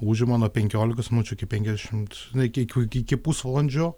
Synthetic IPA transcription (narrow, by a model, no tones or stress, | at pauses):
uːʒʲʊmɑːnoːpʲɛŋʲkʲoːlʲɪkɐsmnut͡ʃʲʊɪkʲɪpʲɛŋʲkʲɛzd̪ʲæʃʲɪmt̪ | nkʲkʲkʲɪkʲɪpusʋɐlˠɐnʲd͡ʒʲoː